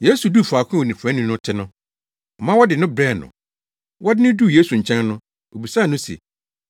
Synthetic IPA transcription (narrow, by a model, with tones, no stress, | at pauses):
je˦su˨du˦˨fu˨a˨kʷʰʊ̃˦wo˨nĩ˨pʰã˨˦nʊ̃˦nʊ̃˦tʰɪ˦nʊ̃˦˨ | mã˦wɔ˦dɪ˨nʊ̃˦bɾɛ˦˨nʊ̰̃˨ | wʔɔ˦dɪ˦nɪ̃˦du˦˨je˦su˨ɲ̩˨t͡ɕʰɛ̃˦nnʊ̃˦ | o˨bi˨sa˦˨nʊ̃˦sḛ˨